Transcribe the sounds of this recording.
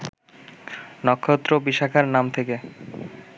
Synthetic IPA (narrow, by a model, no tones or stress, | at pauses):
nɔkʰːot̪ːɾobiʃakʰaɾnamt̪ʰeke